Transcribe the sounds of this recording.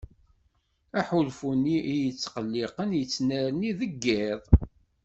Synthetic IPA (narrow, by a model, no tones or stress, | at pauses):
æħulfunːiʔijət͡sːqəlːɪqənjət͡sːnəɾniðəɡːɪðˤ